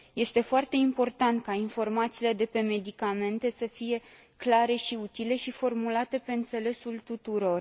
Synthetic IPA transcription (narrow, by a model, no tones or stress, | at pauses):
je̞st̪e̞foart̪e̞impo̞rt̪ant̪̚kainfo̞rmat̪siːle̞d̪e̞pe̞me̞d̪ikame̞nt̪e̞səfije̞ | klaɾe̞ʃiut̪ile̞ʃifo̞rmulat̪e̞pe̞ɨnt̪se̞le̞sult̪ut̪uɾo̞r